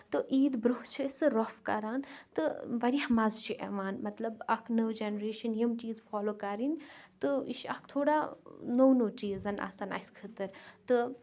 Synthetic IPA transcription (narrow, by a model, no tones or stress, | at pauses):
t̪ɨʔiːd̪bɾuht͡ʃʰisɨɾofkɐɾaːnt̪ɨʋɐɾʲihmazt͡ʃʰiʔḛʋaːnmɐt̪lɐbɐkʰnəwd͡ʒenɐɾeːʃɐnjɐmt͡ʃiːzfaːloːkɐɾinʲt̪ɨiʃɐ̰k̚ʰt̪ʰoːɽaːnownoːt͡ʃiːzɐna̰ːsaːna̰sʲkʰət̪ɐɾt̪ɨ